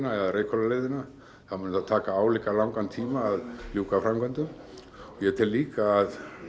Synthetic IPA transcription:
naɛðaɾekʰɔlalɪðɪna | θamanat̪ʰaːkaaːwlɪkalawŋkant̪ʰiːmaːðluːkafɾamkʰœnt̪ʏm | ɔjɛt̪ʰɪllːiːkaːð

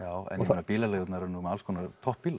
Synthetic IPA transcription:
jaːwɛ̰nmɛnapiːlalɛɣʏt̪naɾnuːmɛalskʰɔːnat̪ʰɔhppiːla

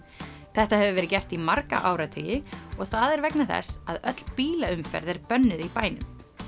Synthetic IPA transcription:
θɛht̪ahɛvʏvɛɾɪcɛr̥t̪imaɾka̰ʔaːwɾat̪ʰœjɪɔɣθaðɛɾvɛknaθɛ̰sːaðœt̪l̥piːlaʏmfɛ̰ɾðɛɾpœnːʏðipaːjnʏm

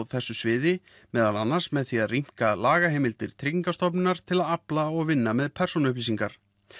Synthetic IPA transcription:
wθɛsːʏsvɪːðɪ | mɛːðalanːḁsmɛðθiaðrim̥kalaːɣaɦɛːmɪlt̪ɪɾ̥t̪ʰɾikiŋkast̪ɔp̬nɪnaɾ̥t̪ʰɪlaðaplaɔɣvɪnːamɛðpʰɛrsunʏpliːsiŋkaɾ̥

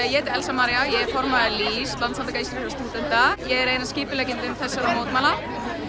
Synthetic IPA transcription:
jɛt̪ɛlsamaɾjajɛɛɾfɔɾmaɛlist̪lant̪sant̪akaist̪ɾihkast̪uːt̪ɛn̥t̪ajɛɣɛɾejnasciːpɪlɛkcɪnt̪ɪmθɛsːaɾamoːwt̪maːla

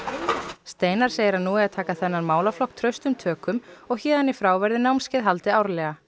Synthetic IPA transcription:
st̪eːjnaɾ̥seːjɪɾaðnuːɛaðt̪ʰaːkaθɛnːaɾmaːwlaflɔhk̚t̪ʰɾœɥst̪ʏmt̪ʰœːkʏmɔɣçɛːðanifɾaːwvɛɾðɪnawmscɪðɦalt̪ɪawɾlɛɣa

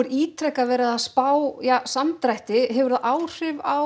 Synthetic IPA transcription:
ʏɾiːt̪ʰɾɛhkavɛːɾaðaðspaːwjaːsamt̪ɾajht̪ɪɦɛvʏɾðaʔaːwr̥ʏvaw

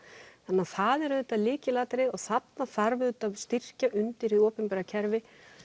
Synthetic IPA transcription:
θanːaɾθaðɛɾðʏːt̪alɪːcɪlaːt̪ɾɪɔɣθapnaθaɾvɪðʏt̪avst̪ɪr̥caʔʏnt̪ɪɾiɔːpɪnpɛɾacʰɛɾvɪ

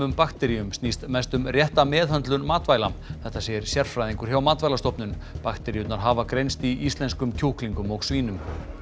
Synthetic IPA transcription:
ʏmpakt̪ɛɾiʏmst̪nist̪mɛst̪ʏmrjɛht̪amɛːðhœnt̪lʏnmaːt̪vaːjlamθɛht̪ːaseːjɪɾ̥sjɛr̥fɾajðiŋkʏɾ̥çawmaːt̪vajlast̪ɔpnʏnpakt̪ɛɾiʏt̪naɾɦaːvakɾejnst̪iist̪lɛnskʏmcʰowhkliŋkʏmɔɣsviːnʏm

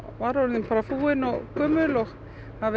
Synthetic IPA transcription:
vaɾɔɾinpaːɾafuːɪnɔkʰœːmʏlɔx | hav

